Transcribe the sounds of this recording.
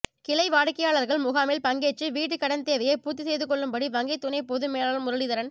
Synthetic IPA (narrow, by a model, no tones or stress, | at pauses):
kɪlɐɪʋaːɽɯkːɐjaːɭɐɾɣɐɭmʊɣaːmɪlpɐŋɡeːt͡ʃːɯʋiːʈːɯkːɐɽɐnt̪eːʋɐjɐɪpuːt̪ːisɛjðɯkɔɭːɯmbɐɽiʋɐŋɡɐɪt̪ːʊnɐɪpɔðɯmeːlaːɾɯmʊɾɐɽɪðɐɾɐn